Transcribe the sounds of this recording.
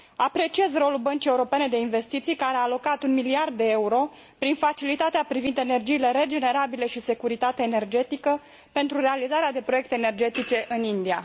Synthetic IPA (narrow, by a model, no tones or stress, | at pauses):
apɾe̞t͡ʃie̞zro̞lulbənt͡ʃije̞uɾo̞pe̞ne̞d̪e̞inve̞st̪it̪sijkaɾeaːlo̞kat̪unmiliard̪̚ːe̞euɾo̞ | pɾinfat͡ʃilit̪at̪eapɾivind̪e̞ne̞rd͡ʒiːle̞ɾe̞d͡ʒe̞ne̞ɾabile̞ʃise̞kuɾit̪at̪eaene̞rd͡ʒe̞t̪ikə | pe̞nt̪ɾuɾe̞alizaɾead̪e̞pɾo̞je̞kt̪eːne̞rd͡ʒe̞t̪it͡ʃe̞ʔɨnind̪ia